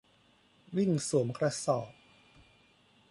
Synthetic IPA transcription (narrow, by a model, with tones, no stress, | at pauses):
wi˥˩ŋsu˩˦mkʰɾa˧sɔː˨˩p̚